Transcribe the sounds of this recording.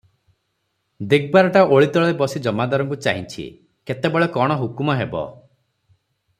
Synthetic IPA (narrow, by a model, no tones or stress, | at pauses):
d̪iɡ̚baɾɔʈaʔoɭit̪ɔɭɔebɔsid͡ʒɔmad̪ɔɾɔŋk̬ut͡ʃa̰ɦint͡ʃʰḭ | ket̪ebɔɭekɔɽ̃ɔɦukumɔɦebɔ̰